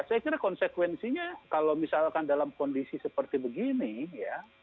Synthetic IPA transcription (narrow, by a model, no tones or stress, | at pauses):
sajakiɾakɔnsekwɛnsiɲakalomisalkandalamkɔndisisəpərt̪ibəɡinija